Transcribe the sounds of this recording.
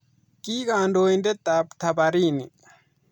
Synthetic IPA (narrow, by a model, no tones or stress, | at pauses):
kiːɡaːndoːĩnd̪et̪apt̪ʰabaɾiːni